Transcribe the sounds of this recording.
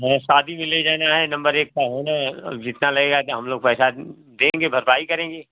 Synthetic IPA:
ɦɛ̃ːʃaːd̪ʱimɪled͡ʒaːnaɦɛnɐ̃mbəɾeːk̚kaɦɛna̰d͡ʒɪt̪nalɐɡeːɡat̪ɦɐmloːɡ̚pɛːsa | d̪ẽːŋɡebʱɐɾpaːikɐɾẽːŋɡeː

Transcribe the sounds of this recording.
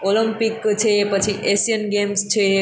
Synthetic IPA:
olimpikt͡ʃʰeːpət͡ʃʰiʔesiənɡemst͡ʃʰe

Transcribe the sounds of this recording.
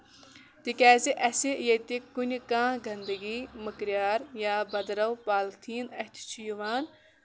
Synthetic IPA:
t̪ikɛːzeʔɐsejet̪ekunʲkãːɡɐnd̪əɡiːməkɾjaːɾjaːbɐd̪ɾɐwpaːlt̪ʰiːnɐɦt̪ʰt͡ʃʰijuʋaːn

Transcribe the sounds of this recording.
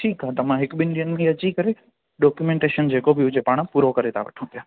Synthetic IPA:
ʈʰiːkɦaɦt̪ɐm̤ãɦɪkɓɪnɗijənmĩɐt͡ɕikɐɾe | ɖɔːkjumẽɳʈeːʃənd͡ʑeːkobɪɦʊd͡ʑepaːɽ̃puːɾokɐɾet̪ʰa̰ʋɐ̰ʈʰũp̪ijaː

